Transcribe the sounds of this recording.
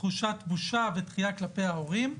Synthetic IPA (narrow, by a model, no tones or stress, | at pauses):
χuʃat̪buʃavet̪χijaklapejao̞ʁim